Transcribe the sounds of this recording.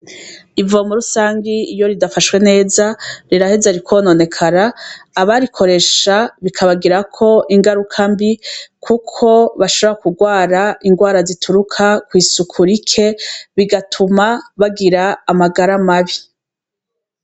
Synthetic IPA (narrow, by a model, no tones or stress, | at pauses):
ivuomuɾusaːŋɡiːjo̞ɾidafaʃwe̞ne̞ːzaɾiɾahezaɾikwo̞ːno̞ne̞kʰaɾaːβaɾikʰo̞ɾe̞ʃaβikʰaβaɡiɾakʰo̞ʔiŋɡaɾukʰambikʰukʰo̞βaʃo̞βo̞ɾakuɡwaːɾaiŋɡwaːɾazitʰuɾukʰakwiːsukʰuɾikʰe̞βiɡatʰumaβaɡiɾaːmaɡaɾamaβi